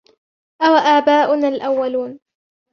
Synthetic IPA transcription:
ʔawaʔaːbaːʔʊnaːlʔawːaluːn

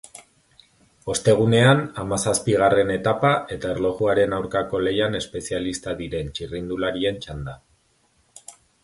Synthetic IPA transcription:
o̞st̪e̞ɣ̞une̞anamasaspiɣ̞are̞ne̞t̪apae̞t̪aerlo̞ɣuaɾe̞nawɾkako̞le̞jane̞spe̞sialist̪aðiɾe̞nt͡ʃirind̪ulaɾie̞nt͡ʃand̪a

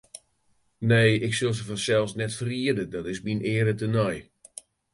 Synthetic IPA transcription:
neːɪksɪlˠsəfɔsɛlˠsnɛtfəriədədɔtɪsminɪːɾətənɔj

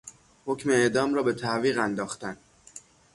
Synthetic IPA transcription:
ho̞cmeːʔd̪ɒːmɾɒːbe̞t̪ʰæʔviːɣænd̪ɒːxt̪æn

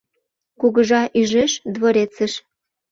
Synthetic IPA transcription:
kuɣəʒɑʔyʒeʃd̪βoɾet͡səʃ

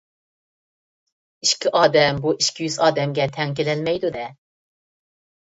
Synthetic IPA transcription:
iʃkʲʰiʔɑːd̪ɛmbuʔiʃkʲʰijyzɑːd̪ɛmɡʲɛt̪ʰɛŋk̬ʲelɛlmɛjd̪ud̪ɛ

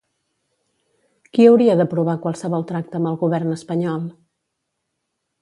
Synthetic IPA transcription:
kiəwɾiəðəpɾuβ̞akwalˠsəβɔlˠt̪ɾak̚t̪əːmbəlˠɣuβɛrnəspəɲɔlˠ

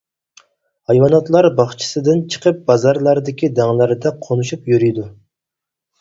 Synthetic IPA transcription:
hɑjwɑnɑt̪lˠɑɾbɑχt͡ʃʰi̥sɨd̪ɪnt͡ʃʰə̥qʰəp̚bɑzɑɾlˠɑɾd̪ɪkʲid̪ɛŋlˠæɾd̪ɛqʰonuʃupjyɾyjd̪u

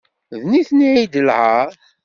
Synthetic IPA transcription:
ðniθniʕid̪ələˤ

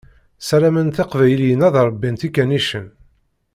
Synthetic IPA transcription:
sæɾæmənθɑqvæjljənæðˤɾˤəbːint̪ikːæniʃən

